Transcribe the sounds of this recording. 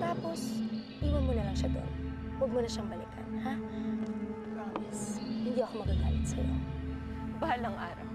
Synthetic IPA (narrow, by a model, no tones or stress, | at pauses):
t̪aːpo̞sʔiːwɐnmonɐlɐŋʃad̪o̰nwɐɡ̚munɐʃaŋbɐlɪ̰kʰɐnha | kamɪshɪnd̪iʔɐko̞mɐɡaɡa̰ːlɪt̪̚sɐ̰jo̰ | baalɐŋʔa̰ːɾɐ̰w